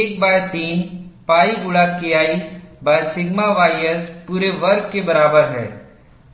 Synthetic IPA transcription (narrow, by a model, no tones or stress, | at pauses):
eːk̚baːɾt̪iːnpaːiɡʊɭakijaːibaːsɪɡmaʋaːijəspuːɾeʋɐɾɡkebɐɾaːbəɾɦɛ̰ː